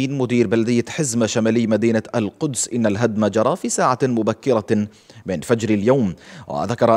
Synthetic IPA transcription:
iːnmʊd̪iːɾbalad̪ɪjːaħɪzmaʃamaːlɪjːmad̪iːnaʔalqʊd̪sʔɪnːalɦad̪mad͡ʒɑɾˤɑfiːsaːʕamʊbakːɪɾa | mɪnfad͡ʒɾaljawmwa̰ðakɑɾˤʔ

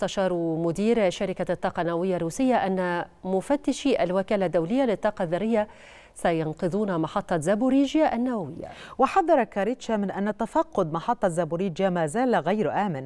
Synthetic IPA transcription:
mʊst̪aʃɑːɾˤmʊd̪iːɾʃaɾɪkat̪ːɑːqɑnːawawɪjːarːuːsɪjːaʔanːamʊfat̪ːɪʃiʔa̰lwakaːlad̪ːawlɪjːalɪt̪ˤːɑːqɑðːɑɾːɪjːa | sajɑnqɨðˤuːnamɑħɑt̪ˤːɑzabuɾiːd͡ʒjaʔanːawawɪ̰jːa̰wɪħɑd̪ːɑɾˤɑkaɾɪt̪ʃamɪnʔanːat̪afɑqːʊd̪mɑħɑt̪ˤːɑzabuɾiːd͡ʒjamaːzaːlaɣajɾʔaːmɪn

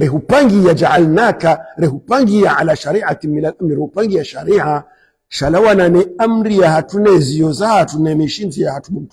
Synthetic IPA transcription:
ɾɛɦupaŋɡijad͡ʒaʕalnakaɾɛɦupaŋɡijaʕalaʃaɾiʕatimilalamiɾɛhupaŋɡijaʃaɾiʕa | ʃalawananɛam̩ɾijahatunɛziɔzahatunɛmiʃinzijahatumum̩tu

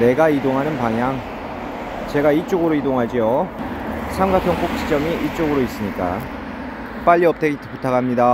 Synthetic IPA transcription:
ne̞ɡaidoŋɦanɯnpaŋjaŋ | t͡ɕe̞ɡait͡ɕ͈oɡɯɾoidoŋɦad͡ʑio | sʰamɡatʰoŋp͈ok̚ɕ͈ʰi̥t͡ɕ͈ʌmiʔit͡ɕ͈oɡɯɾois͈ɯmɲik͈a̰ | p͈aʎːiʌp̚t͈ʰeɡitʰpotʰakʰamɲida

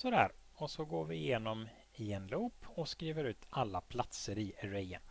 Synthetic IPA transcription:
sɔd̪æ̰ːɾ | ɔsɔɡoːɾvɪɪjeːnɔm | ɪɛnluːpɔskɾiːvəɾʉ̟ːt̪ʰalːapʰlat̪səɾɪɾɛjə̰n

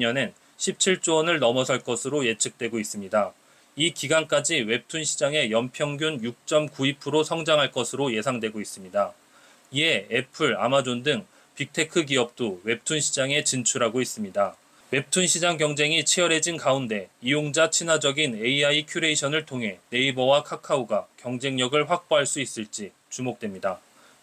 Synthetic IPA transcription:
ɲʌnen | ɕʰip̚t͡ɕʰiɭt͡ɕ͈oʌnɯɭnʌmʌsʰʌɭk͈ʌsʰɯɾoje̞t͡ɕʰɯk̚t͈we̞ɡois͈ɯmɲida | ikiɡank͈ad͡ʑiwe̞p̚tʰunɕʰid͡ʑaŋe̞jʌmpʰjʌŋɡjunjuk̚t͡ɕ͈ʌmkuipʰɯɾosʰʌŋd͡ʑaŋɦaɭk͈ʌsʰɯɾoje̞sʰaŋdwe̞ɡois͈ɯmɲida | iɦe̞epʰɯɾa̰mad͡ʑondɯŋ | pik̚tʰe̞kʰɯɡiʌp̚t͈owe̞p̚tʰunɕʰid͡ʑaŋe̞t͡ɕint͡ɕʰuɾɦaɡois͈ɯmɲida | we̞p̚tʰunɕʰid͡ʑaŋɡjʌŋd͡ʑe̞ŋit͡ɕʰijʌɾe̞d͡ʑinkaunde̞ijoŋd͡ʑat͡ɕʰinɦad͡ʑʌɡine̞iaikʰjuɾe̞iɕʰʌnɯɭtʰoŋɦe̞ne̞ibʌwakʰakʰauɡakjʌŋd͡ʑe̞ŋɲʌɡɯɭɸwak̚p͈oɦaɭs͈uis͈ɯɭt͡ɕ͈i | t͡ɕumok̚t͈we̞mɲida

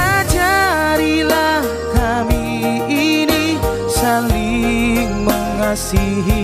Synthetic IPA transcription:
ad͡ʒaɾila | ka | mi | ini | sali | məŋasiɦi

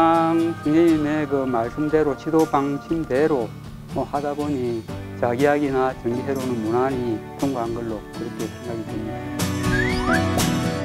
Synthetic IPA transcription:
aŋt͡ɕuŋeime̞kɯmaɭs͈ɯmdeɾot͡ɕʰidobaŋɕʰimde̞ɾo | mʌhadaboɲit͡ɕaɡiaɡinat͡ɕʌŋɡiɦeɾonɯnmunaɲitʰoŋɡoɦanɡʌɭːokɯɾʌkʰe̞sʰeŋɡaɡidwemɲida

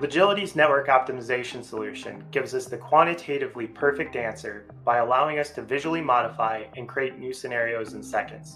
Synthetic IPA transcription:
vɨd͡ʒɪlˠəɾiznɛt̚wə˞kɑp̚tɨmɨzeɪʃɨ̃n̩səlʉʃɨ̰̃nɡɪvzʌsðɨkʰw̥ɑ̃ɾ̃ɨtʰeɪɾɨvlipʰɜ˞fɨk̚tæ̃nsə˞ | b̥aɪəlaʊɪ̃ŋʌstʰɨvɪʒl̩ˠimɑɾəfaɪɨ̃nkʰɹ̥ieɪtⁿnʉsɨnɛɹioʊz̃n̩sɛkɨ̰̃ndz̥

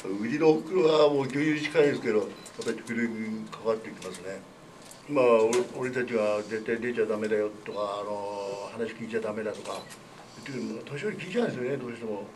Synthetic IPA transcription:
aɯɾʲinookɯɾoβamoːɡʲɨ̃ːjɯit͡ɕi̥kaĩnd̪esɨke̞d̪o̞ | japːaɾʲi̥kɯɾɯɲikʰaat̪ːe̞ikʲimasɨne̞ | maooɾent̪at͡ɕiβazẽ̞nt̪aid̪et͡ɕad̪ame̞d̪ajo̞t̪ːokaːno̞hanaɕi̥kʲiːt͡ɕad̪ame̞d̪at̪o̞ka | ɯt̪ːejɯnnoat̪oɕioɾʲikʲiit͡ɕãnd̪esijoned̪o̞ːɕi̥t̪e̞mo̞

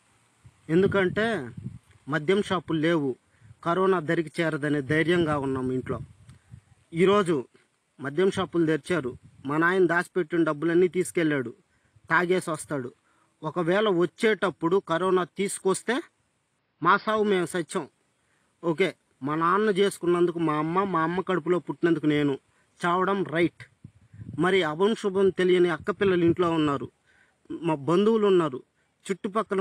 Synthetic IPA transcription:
e̞nd̪uk̬ɐɳʈe̞ː | mɐd̪ʱjɐmʂaːpulle̞ːwu | kɐɾɔːnaːd̪ɐɾik̬it͡ʃɛːɾɐd̪ɐneːd̪ɐjɾjɐŋɡaːunːaːmiɳʈlo̞ː | iːɾo̞ːd͡ʒu | mɐd̪ʱjɐmʂaːpuld̪eɾit͡ʃaːɾumɐnaːjɐnɐd̪aːsi̥pe̞ʈːinɐɖɐbːulɐnːiːt̪iːsu̥kelːaːɽu | t̪aːɡe̞ːsʋɐst̪aːɽu | ɔkɐʋɛːlɐʋot͡ʃːɛːʈɐpːuɽukɐɾɔːnaːt̪iːsu̥kost̪e̞ː | maːsaːʋume̞ːmsɐt͡ʃːt͡ʃːɐ | oːk̬e̞ː | mɐnɐaːnːɐt͡ʃe̞ːsu̥kunːɐnd̪ukumaːɐmːɐmaːɐmːɐkɐɽup̬ulo̞ːpuʈːinɐnd̪ukune̞ːnu | t͡ʃaːʋɐɽɐmɾɐjʈ | mɐɾiɐbɐɳʈʂubɐmt̪elijɐniɐkːɐpɪlːɐliɳʈlo̞ːunːaːɾu | mbɐnd̪uwulunːaːɾu | t͡ʃuʈːupɐkːɐlɐ

